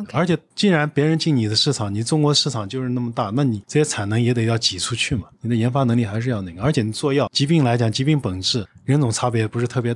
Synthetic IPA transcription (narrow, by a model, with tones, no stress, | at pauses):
ə˞˧˥t͡ɕʰjɛ˨˩˦t͡ɕi˥˩ŋɻa˧˥npjɛ˧˥ɻə˧˥nt͡ɕi˥˩ŋni˨˩d̪ə˦ʂɻ̩˥˩ʈ͡ʂʰɑ˨˩ŋni˨˩ʈ͡ʂʊ˥ŋkwɔ˧˥ə˧ʂɻ̩˥˩ʈ͡ʂʰɑ˨˩ŋt͡ɕjo˥˧ʊʂɻ̩˥˧na˥˩mə˩t̪a˥˩na˥˩ni˨˩ʈ͡ʂɤ˥˩ɕɛ˥t͡sʰa˨˩ɪnɤ˧˥ŋjɛ˧˥t̪e˨˩jɑ˥˩ʊt͡ɕi˨˩ʈ͡ʂʰu˥t͡ɕʰy˥˩mɐ˩ni˨˩d̪ə˦jɛ˧˥nfa˥nɤ˧˥ŋli˥˩xa˧˥ʂɻ̩˧jɑ˥˧ʊnə˥˩ɡə˩˧ə˞˧˥t͡ɕʰjɛ˧˩ni˨˩t͡swɔ˥˧jɑ˥˩ʊt͡ɕi˧˥pi˥˩ŋla˧˥ɪt͡ɕjɑ˨˩ŋt͡ɕi˧˥pi˥˩ŋpə˨˩ŋʈ͡ʂɻ̩˥˩ɻə˧˥nt͡sʊ˨˩ŋt͡sʰa˥pjɛ˥pu˧˥ʂ̬ɻ̩˧t̪ʰɤ˥˩pjɛ˧˥